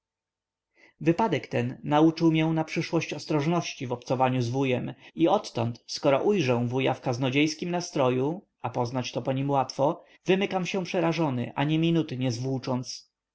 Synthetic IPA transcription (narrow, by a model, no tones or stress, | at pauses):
vɘpad̪ɛkt̪ɛnːaut͡ʂɘwmʲjɛ̃napʂɘʂwɔɕt͡ɕɔst̪ɾɔʐnɔɕt͡ɕivɔpt̪sɔvaɲuzvujɛmiɔt̪ːɔnt̪skɔɾɔʔujʐɛw̃vuja̰fkaznɔd͡ʑejskʲimnast̪ɾɔju | apɔznat͡ɕt̪ɔpɔɲimwat̪fɔ | vɘmɘkamɕɛ̃pʂɛɾaʐɔnɘ̰ʔa̰ɲɛmʲinut̪ɘɲɛzvut͡ʂɔnt̪s